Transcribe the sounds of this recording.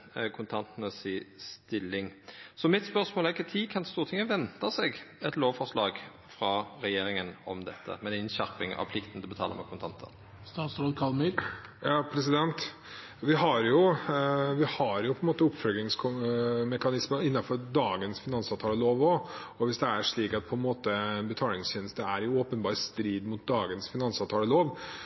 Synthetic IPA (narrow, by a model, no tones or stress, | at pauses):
kʰʊnt̪ʰɑnt̪nəsɪst̪ɪlːɪŋsɔmɪt̪spœʁsmoːlæʁɪkːət̪ʰiːkʰɑnt̪st̪uːʁt̪ʰɪŋːəʋɛnt̪əsɛɡɛt̪loːʋfɔʁʂlɑːɡ | fɾɑɾɛjeːɾɪŋənɔ̰md̪ɛ̰t̪ʰːə̰mɛnɪnɕæɾpɪŋɑ̰ʋpʰlɪkt̪ən̩d̪ɛbət̪ʰɑ̰ːlə̰mɛ̰kʰʊnt̪ʰɑnt̪ʰə̰n | st̪ɑːt̪sɾoːd̪kʰɑlmɪɾjɑːpʰɾɛsɪd̪ɛnt̪ | ʋɪɦɑɾjʊ | ʋɪhɑɾjʊpʰɔɛnmoːt̪əʊpfœlɡɪŋskʰmɛkɑnɪsməɪnːɑfɔɾd̪ɑːɡənsfɪnɑnsɑːʋt̪ʰɑːləloːʋɔɔʋɪsd̪ɛæɾʂɭiːkɑt̪̚pʰɔɛnmoːt̪əɛnbət̪ʰɑːlɪŋsçɛːnəst̪əæɾjʊɔːpənbɑːɾst̪ɾiːd̪mʊt̪̚d̪ɑːɡənsfɪnɑnsɑːʋt̪ʰɑːləloːʋ